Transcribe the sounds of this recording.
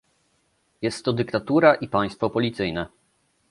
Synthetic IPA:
jɛst̪ːɔd̪ɘkt̪at̪uɾaʔipaj̃st̪fɔpɔlʲit̪sɘjnɛ

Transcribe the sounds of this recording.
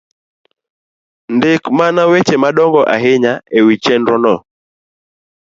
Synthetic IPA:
ndekmanawet͡ʃemaɗɔŋɡɔʔa̰ɦeɲaewit͡ʃɛndɾɔnɔ

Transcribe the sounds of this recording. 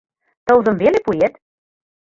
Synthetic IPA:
t̪ɤ̆wzɤ̆mvelepujet̪

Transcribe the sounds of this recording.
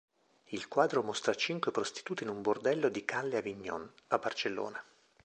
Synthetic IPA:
ilkwaːd̪ɾomost̪ɾat͡ʃiŋkwepɾost̪i̥t̪uːt̪inumbord̪ɛlːod̪ikalːeaviɲːɔ̰nabːart͡ʃelːo̰ːna

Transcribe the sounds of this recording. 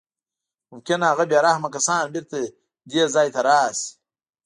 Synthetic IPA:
mʊmkʲinaɣabaɾahmakɐsɑːnbiɾt̪ɐ | d̪eːzɑːjt̪ɐɾaːsi̥

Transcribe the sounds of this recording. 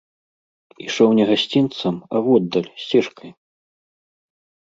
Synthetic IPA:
ḭʂɔwnʲɛɣasʲt͡sʲint̪sɐmɐ̰vɔd̪ːɐlʲsʲt͡sʲɛʂkɐj

